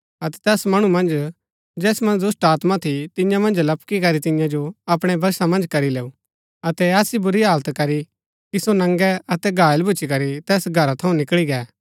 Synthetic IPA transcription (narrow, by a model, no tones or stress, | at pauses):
ɐt̪ɛ̥t̪ɛːsmɐɽ̃umɐ̃nd͡ʒ | d͡ʒɛːsmɐ̃nd͡ʒd̪ʊsʈaːt̪mat̪ʰit̪ɪ̃jãmɐ̃nd͡ʒlɐpkikɐɾit̪ɪ̃jãd͡ʒoɐpɽ̃ɛbʱɐɾsamɐ̃nd͡ʒkɐɾileːu | ɐt̪ɛɛːsibʊɾiɦaːlt̪kɐɾi | kisonɐ̃ŋɡɛɐt̪ɛɡʱaːəlbʱʊːt͡ʃʰikɐɾit̪ɛːsɡʱɐɾat̪ʰɐũnɪkɭiɡɛː